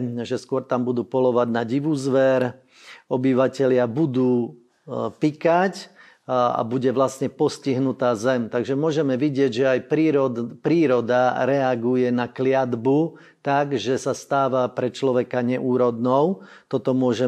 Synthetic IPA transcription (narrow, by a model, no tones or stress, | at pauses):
ʒɛskʊɔɾt̪ambud̪uːpɔlɔʋaɟnaɟiʋuzʋɛɾ | ɔbiʋacɛlɪabud̪uː | pikac | a̰buɟɛʋlasɲɛpɔsciɦnut̪aːzɛmt̪aɡʒɛmʊɔʒɛmɛʋiɟɪɛɟʒɛajpɾiːɾɔpɾiːɾɔd̪aɾɛaɡujɛnaklɪad̪bu | t̪aɡʒɛsast̪aːʋapɾɛt͡ʃlɔʋɛkaɲɛʔuːɾɔd̪nɔʊt̪ɔt̪ɔmʊɔʒɛ